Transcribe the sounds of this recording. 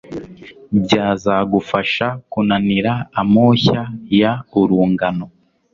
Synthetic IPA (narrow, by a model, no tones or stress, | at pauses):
bɟaːzaɡufaʃakunaniɾaːmoːçajauɾuːŋɡano̞